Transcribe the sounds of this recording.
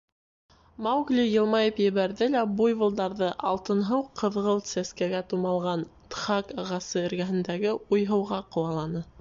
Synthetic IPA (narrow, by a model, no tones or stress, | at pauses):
mɑwɡlʲijɤ̆lˠmɑjɤpjɘ̆βæɾðɘlæbujβɤ̆lˠd̪ɑɾðɤʔɑ̰lˠt̪ɤ̆nɦɤwqʰɤ̆ðʁɤlˠsæskæɡæt̪umɑlˠʁɑnt̪χɑkɑʁɑsɤɘ̆ɾɡæɦɘ̆nd̪æɡɘujɦɤ̆wʁɑqŏw̪ˠɑlˠɑnɤ